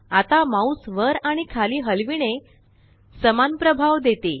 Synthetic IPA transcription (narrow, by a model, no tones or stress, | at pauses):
at̪amausʋəɾaɽ̃ikʰaliːɦəlʋiɽ̃e | səmanpɾəbʱaʋd̪et̪e